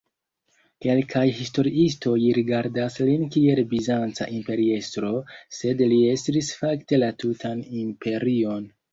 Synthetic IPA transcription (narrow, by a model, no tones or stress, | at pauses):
ke̞lkʰajhisto̞ɾiisto̞jɾiɡaɾdaslinkie̞lbizant͡sa̰ʔimpe̞ɾie̞stɾo̞se̞dlie̞stɾisfakte̞latutʰanimpʰe̞ɾio̞n